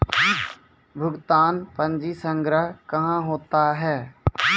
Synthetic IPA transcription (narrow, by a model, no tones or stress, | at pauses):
bʱʊɡt̪aːnpə̃ɲd͡ʒisə̃ŋɡɾəɦkɐɦãɦoːt̪aɦɛː